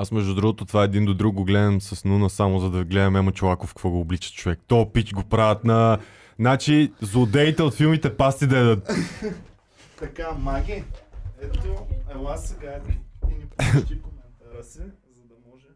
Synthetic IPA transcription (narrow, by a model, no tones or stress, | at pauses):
asmɛʒd̪ud̪ɾuɡot̪ot̪ovaɛd̪ind̪od̪ɾuk̚ɡoɡlɛd̪ɐmsɐsnunəsamozɐd̪ɐiɡlɛd̪ɛmɛmot͡ʃɛlˠakofkkvɔɡoːblit͡ʃə̥t̪t͡ʃovɛkt̪ɔpit͡ʃɡopɾavɐt̪nɐ | nat͡ʃizʊd̪ɛit̪ɛot̪filˠmit̪ɛpast̪id̪ɐɛd̪ət̪ | t̪ɐkamaɡʲiɛt̪oɛasɛɡainit͡ʃik̪ɾsɛzɐd̪ɐmɔʒɛ